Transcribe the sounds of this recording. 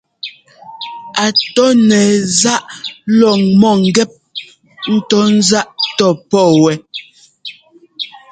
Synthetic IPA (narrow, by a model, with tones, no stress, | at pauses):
a˨tɔ˦nɛ˨za˦ʔlɔ˨ŋmɔ˦˨ŋ̩˨ɡɛ˦˨p̚ | n̩˦tɔ˦n̩˦za˦ʔtɔ˦˨pɔ˦˨wɛ˨